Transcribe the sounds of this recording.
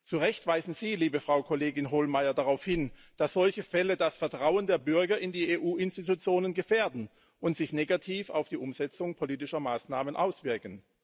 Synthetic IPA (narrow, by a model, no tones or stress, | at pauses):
t͡suʁɛçtv̥aɪzn̩ziːliːbəfʁ̥aʊkʰoleːɡɪnɦolmaɪɐdaʁaʊfhɪnd̥asz̥ɔlçəfɛlədasfɛɐtʁ̥aʊəndeːɐbʏɐɡɐɪndiːeːʔuːɪnstitut͡sjoːnənɡəfeːɐdn̩ | ʔʊntz̥ɪçneːɡatʰiːfa̰ʊfd̥iːʔʊmzɛt͡sʊŋpʰoliːtɪʃɐmaːsnaːmənʔaʊsv̥ɪɐkən̩